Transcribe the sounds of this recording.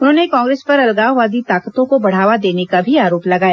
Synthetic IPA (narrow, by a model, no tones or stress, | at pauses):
ʊnɦõːnekɔ̃ːŋɡɾeːspɐɾɐlɡaːɦʋaːd̪it̪aːkət̪õkobɐɽ̤aːʋad̪eːnekabʱiaːɾoːplɐɡaːjaː